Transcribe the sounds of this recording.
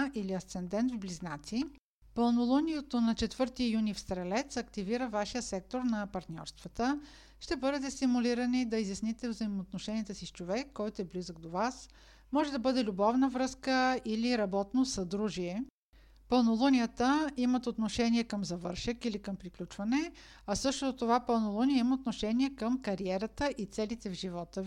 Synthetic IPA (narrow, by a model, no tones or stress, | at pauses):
ʔiliɐst̪sɛnd̪ɛnt̪vbliznat̪si | pəlˠnolˠunʲijət̪onɐt͡ʃɛt̪vɤɾt̪ijunifst̪ɾɛlɛt̪sɐkt̪iviɾəvaʃijəsɛk̚t̪oɾnɐpɐɾt̪nʲɔ̰ɾst̪vət̪ə | ʃt̪ɛbɤd̪ɛt̪ɛst̪imʊliɾənid̪ɐizʲjɐsnit̪ɛvzəimoːt̪noʃɛniɛt̪əsist͡ʃovɛkːɔjt̪oɛblizəɡ̚d̪ovas | mɔʒɛd̪ɐbɤd̪ɛlʲubɔvnəvɾɤskəiliɾɐbɔt̪nosɐd̪ɾuʒiɛ | pəlˠnolˠunʲijət̪əimət̪ot̪noʃɛniɛkəmzɐvɤɾʃəkilikəmpɾiklʲut͡ʃvɐnɛ | ɐsɤʃt̪oot̪ːovapəlˠnolˠuniəiməot̪noʃɛniɛkəmkɐɾiɛɾət̪əʔit̪sɛlit̪ɛvʒivɔt̪ə